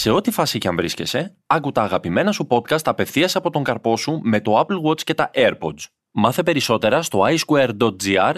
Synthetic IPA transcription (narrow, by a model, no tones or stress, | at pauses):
se̞o̞t̪ifɐsicɐɱvɾisce̞se̞ | ɐkut̪ɐːɣɐpime̞nɐsupo̞t̪̚kɐst̪ɐpe̞fθiɐseɐpo̞t̪o̞ŋɡɐɾpo̞sume̞t̪o̞ɐplɣo̞t͡sce̞t̪ɐʔeɾpo̞̰z | mɐθepe̞ɾiso̞t̪e̞ɾɐst̪o̞ɐjskueɾd̪o̞t̪̚d͡ziɐɾ